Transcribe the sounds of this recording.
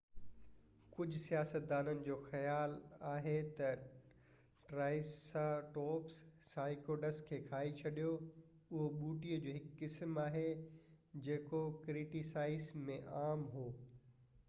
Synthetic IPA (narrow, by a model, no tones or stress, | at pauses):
kʊd͡ʑʱʊsijaːsət̪̚d̪aːnənɪ̆d͡ʑoːxɐjaːlaːɦet̪ɐ | ʈɾaːɪsaʈɔːps | saːɪkoːɖɐskʰeːkʰaːit͡ɕʰɐɗijo | ʊɦoɓuːʈiːəd͡ʑoːɦɪkːɪsmaːɦe | d͡ʑeːkokɾɪʈisaːɪsmẽʔaːmɦoː